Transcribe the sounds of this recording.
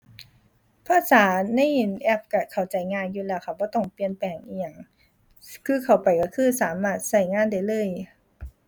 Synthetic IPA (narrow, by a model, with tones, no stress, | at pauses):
pʰaː˧˥saː˩˦na˧˥˩ji˨˩nʔɛ˧˩p̚ka˧˩kʰa˨˩wt͡ɕa˨˩jŋaː˧˨njuː˧lɛː˧˩wkxʰa˧p̚bɔː˧˦t̪ɔ˥˧˩ŋpli˧˨ənpɛː˨˩ŋʔiː˧˩ja˧˩ŋ | kʰɯː˧˨kʰa˨˩wpa˨˩jkɔ˧˩kʰɯː˧˩saː˨˦maː˧˥˩t̪̚sa˧˩jŋaː˧˥˨nda˧˩jlɤː˧˩˨j